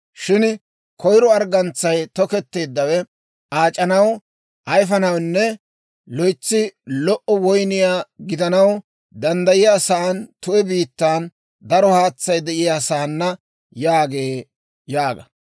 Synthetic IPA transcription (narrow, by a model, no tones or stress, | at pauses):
ʃɪn | kʰɔjɾɔɐɾɡɐnt͡sːɐjt̪ɔkɛt̪ːe̞ːd̪ːɐwɛ | ʔaːt͡ʃʼɐnɐw | ʔɐjfɐnɐwnːɛ | lɔjt͡sːɪlɔʔɔwɔjnɪjaːɡɪd̪ɐnɐw | d̪ɐnd̪ɐjɪjasaɐnt̪ʊʔɛbiːt̪ːaːn | d̪ɐɾɔhaːt͡sːɐjd̪ɛʔɪjasaːnːɐ | jaːɡe̞ː | jaːɡɐ